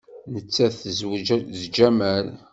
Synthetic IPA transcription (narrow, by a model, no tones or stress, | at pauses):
nət͡sːæθzzd͡ʒæmæl